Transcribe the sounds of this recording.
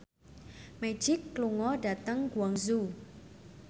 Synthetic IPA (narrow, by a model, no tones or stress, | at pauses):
mɛ̥d͡ʒɪkːluŋɔɖa̤t̪əŋɡwaŋzu